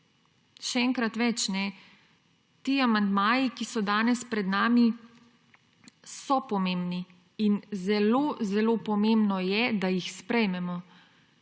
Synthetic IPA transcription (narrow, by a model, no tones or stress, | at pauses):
ʃɛɛːŋkɾat̪ʋɛt͡ʃnɛ | t̪iːamand̪maːjikisɔd̪aːnɛspɾɛd̪naːmi | sɔpɔmeːmbni | inzɛloːzɛloːpɔmeːmbnɔjɛd̪ajixspɾɛjmɛmɔ